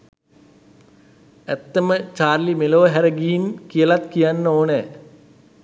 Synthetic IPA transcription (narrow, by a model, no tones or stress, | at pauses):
æt̪ːəmət͡ʃaːrlimeloːəɦæɾəɡiinkijəlat̪kijanːəoːne